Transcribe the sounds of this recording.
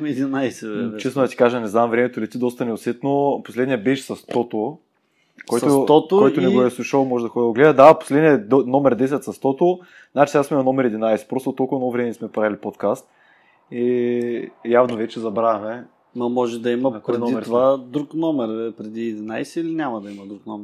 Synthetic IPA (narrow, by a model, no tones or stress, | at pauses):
ɛd̪inajsɛɛt͡ʃɛsnod̪ɐt̪i̥kaʒɛnɛznamvɾɛmɛt̪ʊilit̪id̪ɔst̪ɐnɛʊsɛt̪noposlɛd̪nijəbɛʃsɐst̪ɔt̪o | kojst̪ot̪ɔt̪okɔj̪ʊnɛɡoɛsˠuʃolˠmɔʒɛd̪ɐxɔd̪d̪ʊɡlɛd̪ɐd̪apo̥slɛd̪nijəd̪onɔmɛɾd̪ɛs̬ɛt̪sɐst̪ɔt̪o | znat͡ʃisɡasmɛnɐnɔmɛɾɛd̪inajsɛ̥pɾɔst̪ʊot̪ɔlˠkʊvɐnovɾɛmɛnʲismɛpɾalipot̪kast̪̚ | i | javnovɛt͡ʃɛzɐbɾavʲɐmɛ | mɐmɔʒɛd̪ɐimɐɾɛiɾt̪ovad̪ɾuknɔmɛɾpɾɛd̪iɛd̪inajsɛilinʲamɐd̪ɐimɐd̪ɾuknɔmɛɾ